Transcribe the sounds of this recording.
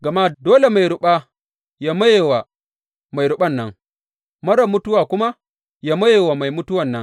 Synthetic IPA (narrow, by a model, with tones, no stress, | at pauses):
ɡɐ˨ma˦doː˦le˨ma˨jɽʊ˦ɓa˦ | ja˦mɐ˦jeː˨wa˨ | ma˨jɾʊ˦ɓɐ˦nːɐ˦ŋ | mɐ˦ɽɐ˨mːʊ˦tʊ˦waː˨kʷʊ˦ma˦ | ja˦mɐ˦jeː˨wa˨ma˨jmʊ˦tʊ˦wɐ˨nːɐ˦ŋ